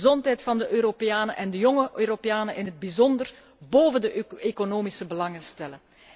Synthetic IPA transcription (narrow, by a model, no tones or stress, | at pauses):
zɔntɦɛjtfɑndəʔøːɾopejaːnəʔɛndəjɔŋəʔøːɾopejaːnənʔɪnɦəd̚bizɔndər | boːvəndəekonoːmisəbəlɑŋənstɛlə